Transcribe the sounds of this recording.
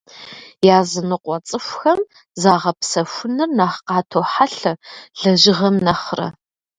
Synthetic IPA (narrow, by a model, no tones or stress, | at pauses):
jaːzɨnɨqʷɔt͡sʼɨfʷxɐm | zaːʁɐpsɐfʷʊnɨrnaːχqɑːtʰoːħaɬɐɮɐʒɪʁɐmnɐχrɐ̰